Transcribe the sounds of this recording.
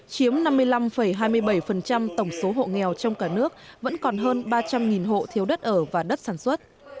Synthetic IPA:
t͡ɕi˨˦əmna˧mːɨ˧əjla˧mfə˧˩jɦaː˧jmɨ˧əjɓə˧˩jfə˨˩nt͡ɕa˧mt̪ə˧˩wŋ͡mso˨˦ɦo̰˧˨ŋɛ˨˩wt͡ɕɔ˧wŋ͡mkaː˧˩nɨ˦˥ək̚və̰˧˥nkɔ˨˩nɦəː˧nɓaː˧t͡ɕa˧mŋi˨˩nɦo̰˧˨t̪ʰi˨˦əwɗə˦˥t̚ʔəː˧˩vaː˨˩ɗə˦˥t̚saː˧˩nswə˦˥t̚

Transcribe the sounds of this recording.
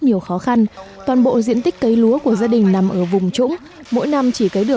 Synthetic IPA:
ɲi˨˩əwxɔ˨˦xa˧nt̪waː˨˩nɓo̰˧˨zḭ˧ənt̪ï˦˥k̟̚kə˨˦jlu˨˦əku˧˩əzaː˧ɗï˨˩ŋ̟na˨˩mʔəː˧˩vʊ˨˩ŋ͡mt͡ɕʊ̰˧˥ŋ͡m | mo̰˧˥jna˧mt͡ɕi˧˩kə˨˦jɗɨ˨˩ə

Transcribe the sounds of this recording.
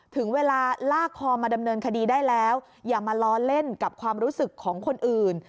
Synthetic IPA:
t̪ʰɯ˩˦ŋweː˧laː˧laː˥˩kʰɔː˧maː˧da˧mnɤː˧nkʰa˧diː˧daː˥˩jlɛː˦˥w | jaː˨˩ma˧lɔː˦˥le˥˩nka˨˩p̚kʰwaː˧mɾuː˦˥sɯ˨˩kʰːɔː˩˦ŋkʰo˧nʔɯː˨˩n

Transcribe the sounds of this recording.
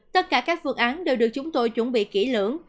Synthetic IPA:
t̪ə˦˥t̚kaː˧˩kaː˦˥k̚fɨ˧əŋʔaː˨˦nɗe˨˩wɗɨ˨˩ək̚t͡ɕʊ˨˦ŋ͡mt̪o˧jt͡ɕwə˧˩nɓḭ˧˨kḭ˧˩lə˧˩ən

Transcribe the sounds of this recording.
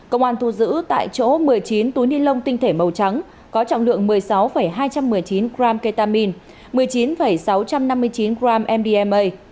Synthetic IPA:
kə̰˧wŋ͡mʔhaː˧nt̪ʰu˧zɨ̰˧˥t̪a̰ː˧˨jt͡ɕo̰˧˥mɨ˨˩əjt͡ɕi˨˦nt̪u˨˦jni˧nlə˧wŋ͡mt̪ï˧ŋ̟t̪ʰe˧˩mə˨˩wt͡ɕa˨˦ŋ | kɔ˨˦t͡ɕɔ̰˧˨ŋ͡mlɨ̰˧˨əŋmɨ˨˩əjsa˨˦wfə˧˩jɦaː˧jt͡ɕa˧mːɨ˨˩əjt͡ɕi˨˦nɣaː˧mkə˧jt̪aː˧mi˧n | mɨ˨˩əjt͡ɕi˨˦nfə˧˩jsa˨˦wt͡ɕa˧mna˧mːɨ˧əjt͡ɕi˨˦nɣɾaː˧mʔɛ˧mɗi˧ʔɛ˧mʔə˧j

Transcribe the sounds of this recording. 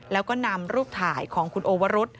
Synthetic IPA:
lɛː˦˥wkɔː˥˩na˧mɾuː˥˩p̚t̪ʰaː˩˦jkʰɔː˩˦ŋkʰu˧nʔoː˧wa˦˥ɾo˦˥t̪̚

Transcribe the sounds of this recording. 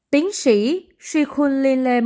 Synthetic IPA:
t̪i˨˦əŋsi˧˩ | swi˧xʰu˧nli˧nle˧m

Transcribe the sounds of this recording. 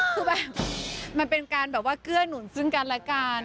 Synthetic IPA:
kɯː˧˩bɛː˨˩p̚ma˧npe˧nkaː˧nbɛː˨˩p̚waː˥˩kɯ˥˩ənu˨˩˦nsɯ˥˩ŋka˧nlɛː˦˥kaː˧n

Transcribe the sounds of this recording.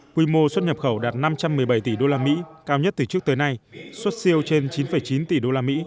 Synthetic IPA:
kwi˧mo˧swə˦˥t̚ɲə˨˩p̚xə˧˩wɗaː˨˩t̚na˧mt͡ɕa˧mːɨ˨˩əjɓa˧˩jt̪i˧˩ɗo˧laː˧mḭ˧˥kaː˧wɲə˦˥t̚t̪ɨ˨˩t͡ɕɨ˦˥k̚t̪əː˨˦jna˧jswə˦˥t̚si˧əwt͡ɕe˧nt͡ɕi˨˦nfə˨˩jt͡ɕi˨˦nt̪i˨˩ɗo˧laː˧mḭ˧˥

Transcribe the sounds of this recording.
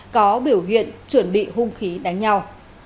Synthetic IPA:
kɔ˨˦ɓi˧˩əwɦḭ˧˨ənt͡ɕwə˧˩nɓḭ˧˨ɦʊ˧ŋ͡mxi˨˦ɗa˨˦ŋɲa˧w

